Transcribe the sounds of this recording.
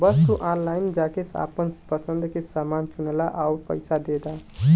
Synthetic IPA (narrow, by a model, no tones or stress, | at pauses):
bəst̪uʔanlaɪnd͡ʒakesa̰pənpəsənd̪kesamant͡ʃunlaʔauɾpə̰jsʰad̪ed̪a